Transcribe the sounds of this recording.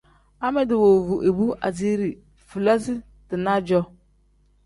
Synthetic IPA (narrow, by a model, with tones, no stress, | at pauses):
a˦mɪ˦dɪ˨wo˨vu˨ʔe˨bu˦ʔa̰˨d͡ʒi˦ɾi˨ | fu˨la˦si˦ | tɪ˨na˦d͡ʒɔ˦